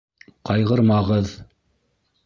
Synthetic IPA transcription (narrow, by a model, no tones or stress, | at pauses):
qɑjʁɤ̆ɾmɑʁɤð